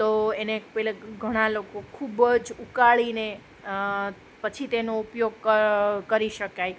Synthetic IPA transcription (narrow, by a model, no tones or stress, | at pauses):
t̪oenepɛleɡʱəɽ̃alokokʰubd͡ʒukaɭine | pət͡ʃʰit̪enoupjoɡ̚kəkəɾiʃəkaj